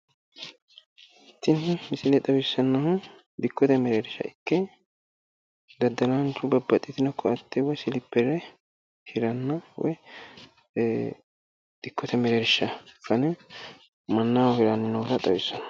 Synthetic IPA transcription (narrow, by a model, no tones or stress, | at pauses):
ʔɪt̪ːɪnɪmɪsɪlɛt̪ʼɐwɪsːɐnːɐhʊ | d̪ɪkːɔt̪ɐmɛɾɛɾɪʃːɐ̰ɪkːɛ | d̪ɐd̪ɐlɐnt͡ʃːʊbɐbːɐt̪ʼːɪt̪ɪnɔkʰːɔɐt̪ːɛwɔjsɪlɪpːɛɾɛ | hɪɾɐnːɐwɔ̰j | d̪̥ɪkːɔt̪ɐmɛɾɛɾɪʃːɐkːɐnɛ | mɐnːawɔhɪɾɐnːɪnɐwɔt̪ɐt̪ʼɐ̰wɪsːɐnɐ̥